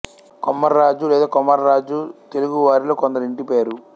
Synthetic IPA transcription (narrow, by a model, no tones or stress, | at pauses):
komːɐɾːaːd͡ʒulɛːd̪aːkɔmɐɾːaːd͡ʒut̪e̞luɡuʋaːɾilo̞ːkɔnd̪ɐɾuiɳʈipeːɾu